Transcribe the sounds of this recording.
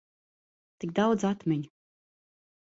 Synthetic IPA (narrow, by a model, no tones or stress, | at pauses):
t̪ikd̪awd̪zat̪mʲɛɲ